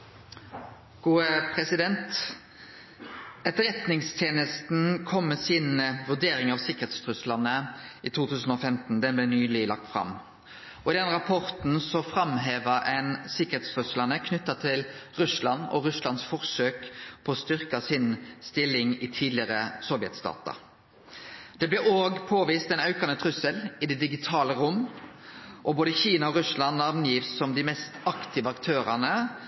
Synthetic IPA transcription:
ɡ̥uːəpʰɾɛsɪd̪ɛnt̪ | ɛt̪ːəʁɛt̪nɪŋst̪ʰjeːnəst̪n̩kʰɔmːəsiːnʋʉʁd̪eːɾɪŋɑʋsɪkːəʁheːt̪st̪ʰʁʉsləʁnəʔiːt̪ʰuːt̪ʰʉːsn̩ɔfɛmt̪n̩d̪ɛnblɛːnyːlɪlɑ̰k̚t̪fʁɑ̰m | ɔɪd̪ɛnʁɑpʰɔʁt̪n̩sɔfʁɑmɦeːʋəɛnsɪkːə̥ʁeːt̪st̪ʰʁʉsləʁnəkʰnʉt̪ːɑt̪ʰɪlʁʉslɑnɔ̰ɾʉslɑnsfɔʁsøːkpʰɔɔst̪ʏʁkɑsɪnst̪ɪlːɪŋɪt̪ʰiːd̪lɪəʁəsɔʋɪɛ̰t̪st̪ɑ̰ːt̪ɑ̰ | d̪̥ɛblɛoːɡpʰoːʋiːst̪ɛnɑʉkɑnət̪ʰʁʉsəlɪd̪ɛd̪ɪɡɪt̪ʰɑːləʁʊm | ʔɔboːd̪əçiːnɑɔɾʉslɑnːɑʁnjiːʋssɔmd̪ɪmɛst̪ɑkt̪ʰɪʋəɑkt̪ʰøːɾɑnə

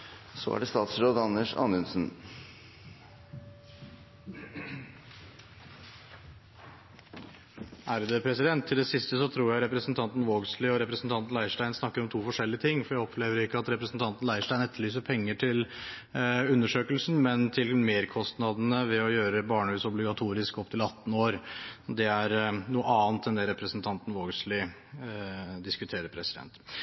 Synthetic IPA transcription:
sɔ̰æ̰ɖɛst̪ɑːt̪sɾoːd̪ɑnːəʂɑ̰nʉnsn̩ | ʔæɾd̪ɛpʰɾɛsɪd̪ɛnt̪ʰːɪld̪ɛsɪst̪əsɔt̪ʰɾuːjæɪɾɛpɾəsn̩t̪ʰɑnt̪n̩ʋoːɡslɪɔɾɛpɾəsn̩t̪ʰɑnt̪nlæɪʂʈæɪnsnɑkːəɾɔmt̪ʰuːfɔʂɛlːɪət̪ʰɪŋːfɔɾjæɪɔpʰleːʋəɾɪkːəɑt̪ɾɛpɾəsn̩t̪ʰɑnt̪n̩læɪʂʈæɪnɛt̪ːɭyːs̬əpʰɛŋːəʈʰɪl | ʉnːəʂøːkəlsn̩mɛnt̪ʰɪlmeːɾkʰɔst̪nɑd̪ənəʋɛɔjøːɾəbɑːɳəʉːsɔblɪɡɑt̪ʰuːɾɪskɔp̚t̪ʰɪlɑt̪ːn̩oːɾd̪ɛæɾnuːəɑːnt̪ɛnd̪ɛɾɛpɾəsnt̪ʰɑnt̪n̩ʋoːɡslɪ | d̪ɪskʉt̪ʰeːɾəɾpʰɾɛsɪd̪ɛ̰nt̪

